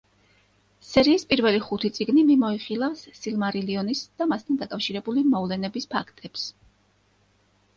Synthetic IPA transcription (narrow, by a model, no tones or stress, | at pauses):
sɛɾiːspʼiɾvɛliχut̪ʰit̪sʼiɡnimimɔiχilˠafsːilˠmaɾiliɔnisd̪̥amast̪ʰand̪akʼafʃiɾɛbulimɔvlɛnɛbispʰakʰt̪ʼɛps